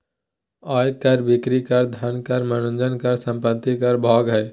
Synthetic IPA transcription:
ɔːjkːəɾbɪkɾikəɾd̪ʱɐnkəɾmənũnd͡ʒənkəɾsə̃mpət̪ːikɐɾbʱɔːɡɦɛː

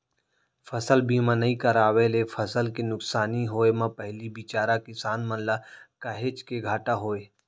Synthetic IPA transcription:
fʰɐsəlbʱiːmãnɐɦĩkəɾaːʋelefʰɐsəlkenʊksaːniɦoːemãpɐɦlibɪt͡ʃaːɾakɪsaːnmə̃nlakaɦet͡ʃkeɡʱaːʈaɦoːeː

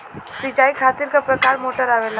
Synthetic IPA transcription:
sit͡ʃaːikʰaːt̪iɾkapɾəkaːɾmoʈəɾaʋela

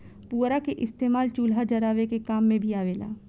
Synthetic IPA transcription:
puːɾakeʔɪst̪eːmaːlt͡ʃuːlɦad͡ʒɐɾaːʋekekaːmːẽbʱiaːʋeːla̰ː

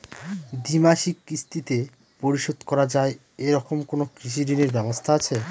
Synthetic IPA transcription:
d̪imaʃikːɾist̪ʰit̪e | poɾiʃod̪kɔɾad͡ʑae | eɾɔkomkonokɾiʃ̬iɖineɾbɛbost̪ʰaat͡ɕʰe

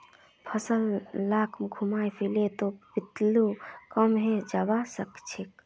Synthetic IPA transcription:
pʰəsəlːakʰmɡʱumajpʰilet̪obit̪lukəmɦed͡ʒabasəkt͡ʃʰik

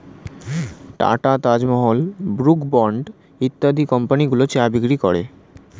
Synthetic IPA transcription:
ʈa̰ʈat̪ad͡ʑmɔɦolbɾukbɔɳɖ | it̪ːad̪ikɔmpaniɡulot͡ɕabiɡɾikɔɽe

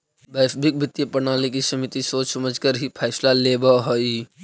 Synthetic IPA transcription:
bɛːsbɪk̚bʱɪt̪jəpənaːlik̬isəmit̪isoːt͡ʃsəməd͡ʒkəɾɦipʰɛːɪslaleːbaɦoi

